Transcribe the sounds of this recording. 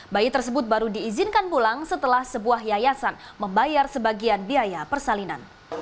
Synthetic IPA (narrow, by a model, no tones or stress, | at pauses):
bajit̪ərsəbʊt̪̚baɾudiːzinkanpulaŋsət̪əlahsəbuaɦjajasan | məmbajarsəbaɡianbiajapərsalina̰n